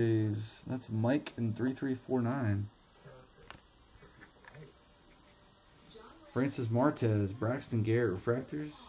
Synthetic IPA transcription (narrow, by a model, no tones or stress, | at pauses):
ezðætsmaɪkʰɨ̃n̩θɹiθɹifɔɹnãɪ̃n | fɹæ̃nsɨs̬mɑɹtʰɛzbɹækstɨ̃nɡɛɹɨʔɹəfɹæk̚tə˞z̥